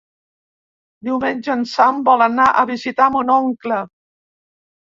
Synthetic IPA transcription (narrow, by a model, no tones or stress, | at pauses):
d̪iwmenʲʒənsambɔlənaʔəβizit̪amunɔŋklə